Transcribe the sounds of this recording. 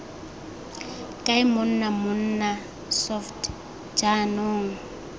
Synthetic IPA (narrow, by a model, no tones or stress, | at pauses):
kʼaɪmʊn̩namʊn̩na | sɔft | d͡ʒanoːŋ̩